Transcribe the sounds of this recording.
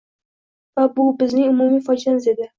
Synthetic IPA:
vabʊbɪznɪŋʊmumijfɒd͡ʒanɪzed̪ɪ

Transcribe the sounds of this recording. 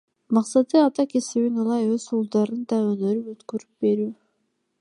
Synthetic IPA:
mɑqsɑt̪ɯɑt̪ɑke̞siβinɯlˠɑjøzulˠd̪ɑɾɯnd̪ɑønøɾypøt̪køɾyp̚be̞ɾyː

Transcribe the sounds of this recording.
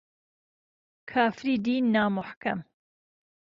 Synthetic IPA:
kʰaːfɾiːd̪iːnːaːmʊħkam

